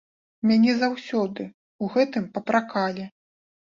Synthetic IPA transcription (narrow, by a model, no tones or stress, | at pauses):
mʲanʲɛzawsʲɔd̪ɨ | uɣɛt̪ɨmpɐpɾakalʲɛ